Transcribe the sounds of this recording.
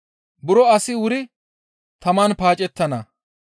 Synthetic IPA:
bʊɾɔɐsɪwʊɾɪ | t̪ɐmaːnpaːt͡ʃʼɛt̪ːɐnɐ

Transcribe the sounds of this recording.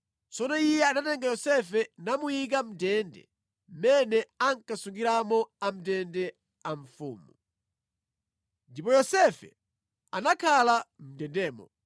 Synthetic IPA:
t͡sɔnɔijɛanatɛŋɡajɔsɛfɛnamujik̬am̩tɛndɛ̰ | m̩mɛnɛaŋkasuŋɡiɾamɔam̩tɛndɛ | aɱfṵːmu | ndipɔjɔsɛfɛ̰ | anakʰalam̩dɛndɛːmɔ̰

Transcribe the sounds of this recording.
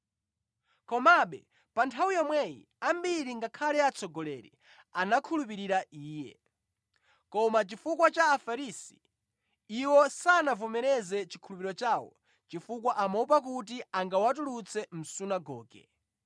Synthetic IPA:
kɔmaɓɛ | pantʰawujɔmwɛjḭ | ambiɾiŋɡakʰalɛat͡sʰɔɡɔlɛɾḭ | anakʰulup̬iɾiɾaʔiːjɛ̰ | kɔmat͡ʃifukwat͡ʃaːfaɾiːsi | iwɔsanavɔmɛɾɛzɛt͡ʃikʰulup̬iɾɔt͡ʃaːwɔ̰ | t͡ʃifukwaʔamɔupak̬ut̬iaŋɡawat̬ulut͡sʰɛm̩sunaɡɔːɡɛ̰

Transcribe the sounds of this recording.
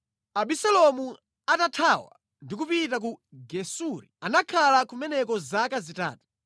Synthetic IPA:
aɓisalɔmu | atatʰawa̰ | ndik̬upitak̬uɡɛsuɾianakʰalakumɛnɛkɔzakazita̰ːtu̥

